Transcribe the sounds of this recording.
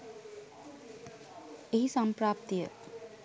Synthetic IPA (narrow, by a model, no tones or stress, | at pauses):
eɦisampɾaːp̚t̪ijə̰